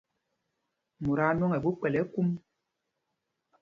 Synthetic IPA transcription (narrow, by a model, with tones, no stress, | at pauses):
mu˨ɾa˦nɔ˦ŋɛ˨bu˦k͡pɛ˨lɛ˨˦ku˦m